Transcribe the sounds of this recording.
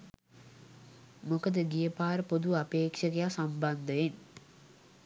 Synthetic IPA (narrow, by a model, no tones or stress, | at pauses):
mokəd̪əɡijəpaːɾəpod̪uapeːkʃəɡejasamband̪əʋen